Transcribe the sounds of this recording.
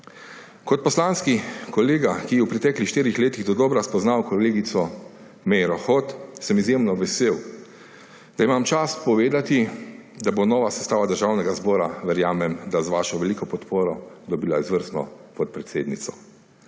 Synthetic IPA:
kɔt̪̚pɔslanskikɔleːɡakijɛwpɾɛt̪ɛːklixʃt̪iːɾixleːt̪iɣd̪ɔd̪ɔːbɾaspɔznawkɔleːɡit̪sɔ | mɛjɾɔxɔt̪sɛmizjemnɔʋɛseːw | d̪̥aimamt͡ʃaspɔʋeːd̪at̪id̪abonɔːʋasɛst̪aːʋad̪əɾʒawnɛɡazbɔːɾaʋɛɾjaːmɛmd̪azʋaːʃɔʋɛliːkɔpɔt̪poːɾɔd̪ɔbilaizʋəɾst̪nɔ̰pɔt̪̚pɾɛt̪seːd̪nit̪sɔ

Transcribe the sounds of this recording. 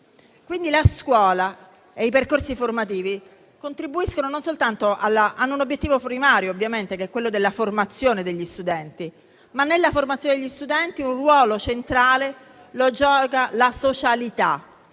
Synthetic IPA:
kwind̪ilaskwɔːla | eiperkorsiformat̪iːvi | kont̪ɾibuiskonononsolt̪ant̪oʔalːaʔanːounobjet̪ːiːvopɾimaːɾjoːbːjament̪ekeɛkːwelːod̪elːaformat̪sːjoːned̪eʎːist̪ud̪ɛnt̪i | manːelːaformat̪sjoned̪eʎːist̪ud̪ɛnt̪iunrwɔːlot͡ʃent̪ɾaːle | lod͡ʒɔːkalasot͡ʃalit̪a̰

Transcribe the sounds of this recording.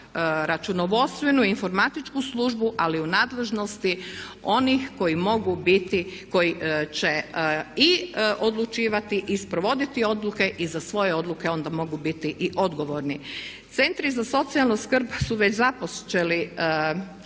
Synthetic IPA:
ɾat͡ʃunoʋo̞st̪ʋenuinfo̞ɾmat̪it͡ʃkuslˠuʒbuʔaliunaːd̪le̞ʒno̞st̪io̞nixko̞imo̞ɡubit̪iko̞jit͡ɕe̞iʔo̞d̪lˠut͡ʃiːʋat̪iʔispɾoʋo̞d̪it̪io̞d̪luke̞ʔizasʋo̞je̞o̞d̪lˠuke̞o̞nd̪amo̞ɡubit̪iʔiʔo̞d̪ɡo̞ʋo̞ɾni | t̪se̞nt̪ɾizaso̞t̪sialˠnoskr̩bsuʋe̞t͡ɕzapost͡ʃeli

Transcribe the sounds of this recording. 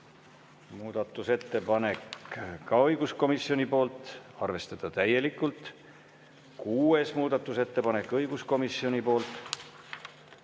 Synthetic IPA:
muːd̪̥ɑt̪ːˑuse̞t̪ːe̞pɑne̞kkɑɤjɡ̥usko̞misio̞nʲipo̞ːlt̪ˑɑrve̞st̪ɑd̪̥ɑt̪æje̞likˑːult̪ | kuːe̞smuːd̪̥ɑt̪ːˑuse̞t̪ːe̞pɑne̞kːˑɤjɡ̥usko̞misio̞nʲipo̞ːlt̪ˑ

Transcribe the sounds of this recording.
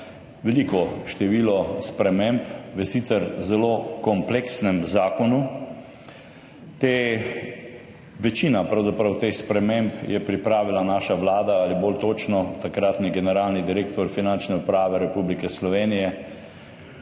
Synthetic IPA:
ʋɛliːkɔʃt̪ɛʋiːlɔspɾɛmempʋəsit̪sɛɾzɛlokɔmpleksnɛmzaːkɔnu | t̪e | ʋɛt͡ʃiːnapɾawzapɾɐwt̪exspɾɛmempjɛpɾipɾaːʋilanaːʃaʋlaːd̪aalibolt̪oːt͡ʃnɔt̪akɾat̪niɡɛnɛɾaːlnid̪iɾeːkt̪ɔɾfinant͡ʃnɛupɾaːʋɛɾɛpublikɛslɔʋeːnijɛ

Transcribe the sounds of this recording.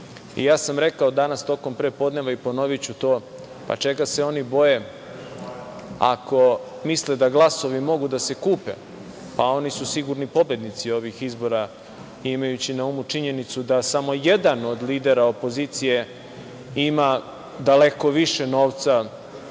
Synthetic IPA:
ḭjaːsamɾe̞kaod̪anast̪o̞ko̞mpɾepo̞d̪ne̞ʋaipo̞noʋit͡ɕut̪o̞ː | pa̰t͡ʃe̞ɡase̞o̞nibo̞je̞ | a̰ko̞misled̪aɡlˠaso̞ʋimo̞ɡud̪ase̞kuːpḛ | pao̞nisusiɡuɾnipo̞bed̪nit̪sio̞ʋixizbo̞ɾa | imajut͡ɕinaumut͡ʂiɲe̞nit̪sud̪asamo̞je̞d̪ano̞d̪liːd̪eɾaopo̞zit̪sije̞ | ima | d̪ale̞ko̞ʋiʃeno̞ːʋt̪sa

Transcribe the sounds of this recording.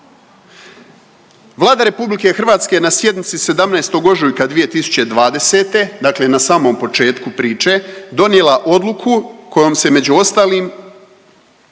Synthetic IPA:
ʋlˠaːd̪aɾe̞publike̞xr̩ʋaːt̪ske̞nasje̞d̪nit̪sise̞d̪amnaest̪o̞ɡo̞ʒujkad̪ʋije̞t̪isu̥t͡ɕe̞d̪ʋaːd̪e̞set̪e̞d̪akle̞nasaːmo̞mpo̞t͡ʃe̞ːt̪kupɾiːt͡ʃe̞d̪o̞njelˠaʔo̞d̪lˠukʰukʰo̞jo̞mse̞me̞d͡ʑuo̞st̪aːliːm

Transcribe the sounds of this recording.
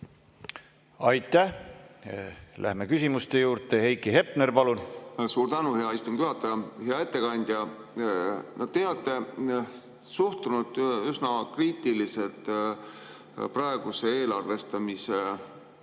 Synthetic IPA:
ɑjt̪ːˑæh | lʔæ̰hmekysʲimust̪e̞juːɾt̪e̞hejkːiɦe̞pnerpɑlunsuːɾd̪ænuhe̞ɑist̪umɡ̥juɦɑt̪ːˑɑjɑheɑe̞t̪ːe̞kɑnʲd̪̥ʲjɑ | nɑd̪t̪ːeːɑt̪ːˑe | suht̪unud̪ysnɑkriːt̪ˑilise̞lt̪ˑ | prɑeɡ̥use̞e̞ːlɑrve̞st̪ɑmise

